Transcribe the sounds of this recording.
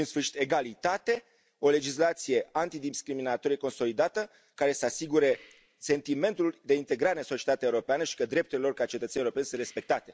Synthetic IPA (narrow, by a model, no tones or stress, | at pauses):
insfɨrʃi̥t̪e̞ɡalit̪at̪e̞ | o̞le̞d͡ʒislat̪sije̞ant̪id̪iskɾiminat̪o̞ɾijeko̞nso̞lid̪at̪ə | kaɾe̞səasiɡuɾe̞ | se̞nt̪ime̞nt̪uld̪e̞int̪e̞ɡɾaɾensot͡ʃiet̪at̪eaeuɾo̞peanəʃi̥kəd̪ɾe̞p̚t̪ulelo̞rkat͡ʃet̪ət̪senieuɾope̞nʲsɨnɾe̞spe̞k̚t̪at̪e̞